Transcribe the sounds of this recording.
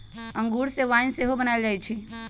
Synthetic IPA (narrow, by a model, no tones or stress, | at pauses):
əŋɡuɾsẽʋainseɦobənajld͡ʒajt͡ʃʰi